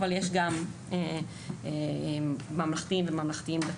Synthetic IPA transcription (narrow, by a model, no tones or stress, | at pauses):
valjeʃ̬ɡam | e | e | mamlaχt̪imvemamlaχt̪iimbe